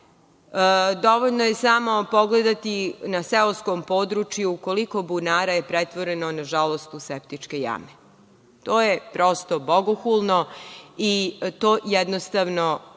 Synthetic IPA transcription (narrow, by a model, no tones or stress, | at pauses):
d̪o̞ʋoʎʲnojesamo̞po̞ɡled̪at̪inaseoskompoːd̪ɾut͡ʃjuːko̞liko̞bunaːɾajepɾet̪ʋoɾenonaʒalo̞st̪usept̪it͡ʃke̞ja̰me | t̪oːjepɾo̞st̪obo̞ɡoxulˠnoit̪oːjɛd̪nost̪aʋno